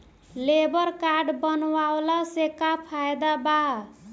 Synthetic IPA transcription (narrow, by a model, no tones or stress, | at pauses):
lebʌrkaɖbʌnwawlasekapʰajd̪aba